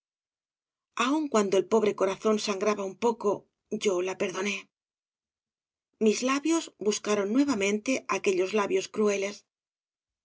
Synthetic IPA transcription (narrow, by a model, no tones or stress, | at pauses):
auŋkwand̪oelpo̞β̞ɾe̞ko̞ɾaθo̞nsaŋɡɾaβaumpo̞ko̞ | ɟ͡ʝo̞lape̞ɾðo̞ne̞ | mizlaβjo̞zbuskaɾo̞nːwe̞βamẽnt̪e̞ake̞ʎo̞zlaβjo̞skɾue̞le̞s